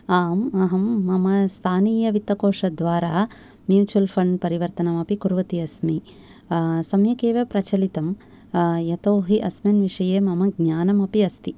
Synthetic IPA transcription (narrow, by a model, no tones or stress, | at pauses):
aːmɐɦɐmːɐmɐst̪ʰaːniːjɐʋit̪ːɐkoːʂɐd̪ʋaːɾaː | mjuːt͡ʃuɐlpʰɐɳɖpɐɾiʋɐɾt̪ɐnɐmɐpikuɾʋɐt̪iɐsmi | sɐmjɐkeːʋepɾɐt͡ʃɐlit̪ɐm | jɐt̪oːɦiʔɐsmɐnʋiʂɐjeːmɐmɐɡɲaːnɐmɐpiɐst̪i